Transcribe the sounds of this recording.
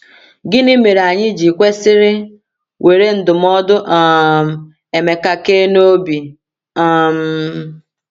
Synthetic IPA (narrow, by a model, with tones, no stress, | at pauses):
ɡɪ˦ni˦me˨ɾa˨ɲɪ˦d͡ʒi˨kʷe˦sɪ˦ɾɪ˦ | wʔe˨ɾe˦n̩˦dʊ˨m˦ɔ˦dʊ˦ʔɔ˦˨m̩˨ | e˨me˨ka˨ke˦no˦bi˨ | a˦m̩˦